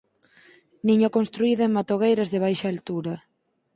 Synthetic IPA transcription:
niɲokonst̪ɾuiðʊeŋmat̪oɣejɾɐzðɪβ̞ajʃaːlt̪uɾɐ

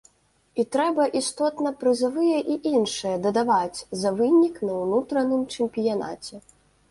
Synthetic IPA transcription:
it̪ɾɛbɐʔist̪ɔt̪nɐpɾɨzavɨjɐʔiʔinʂɨjɐd̪ɐd̪avat͡sʲzɐvɨnʲiknɐwnut̪ɾɐnɨmt͡ʂɛmʲpʲijana̰t͡sʲɛ

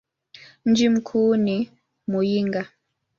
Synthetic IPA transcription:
n̩d͡ʒim̩kʰuːni | mujiŋɡa

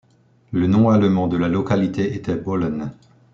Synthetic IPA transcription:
lənɔ̃aləmɑ̃d̪əlalɔkalit̪eʔet̪ɛbɔlɔn

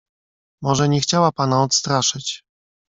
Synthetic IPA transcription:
mɔʐɛɲɛxt͡ɕawapanaɔt̪st̪ɾaʂɘt͡ɕ

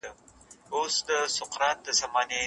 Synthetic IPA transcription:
ə | osd̪əsʊqɾɑt̪̚d̪əsamɑne

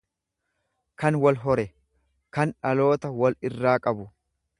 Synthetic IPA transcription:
kɐnwɔlɦɔɾɛ | kɐnᶑɐlo̞ːt̪ɐwɔlɪrːaːkʼɐbʊ

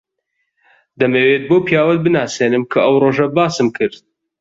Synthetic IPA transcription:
d̪ɐmeːweːt̪̚boːpjaːwɐn̚bɨnaːseːnɨmkʰɐɐwroːʒɐbaːsɨmkʰɨɾd̪̚

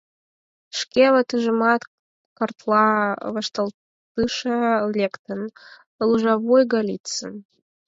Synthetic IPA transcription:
ʃkʲeβət̪ɨʒəmɑt̪ | kərt̪lɑβəʃt̪əl | t̪ɨʃəlʲekt̪ən | luʒɑβojɡɑlʲit̪t͡sən

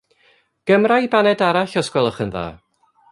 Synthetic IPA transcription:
ɡ̥əmrajbanɛdaɾaɬɔskwɛlˠɔχənða̰ː

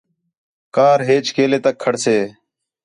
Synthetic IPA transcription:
kaːɾɦeːt͡ʃkeːleːt̪əkʰːəɽseː

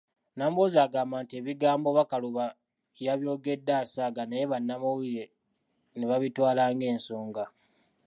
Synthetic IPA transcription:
namubozaːɡaːmbaːntie̞βiɡaːmbo̞βakaluβa | jaβjo̞ːɡe̞dːaːsaːɡanajeβanːamuwiɾe | neβaβitwaːlaːŋɡe̞ːnsoːŋɡa

